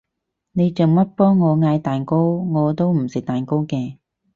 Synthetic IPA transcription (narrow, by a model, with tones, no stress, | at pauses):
ne˨˧jt͡sə˨ŋmɐ˥t̚pɔː˥ŋɔː˨˧ŋaː˧jt̪aː˨˩nko˥wŋɔː˨˧t̪o˥wm̩˨˩sɪ˨˩t̪aː˨nko˥wkɛː˧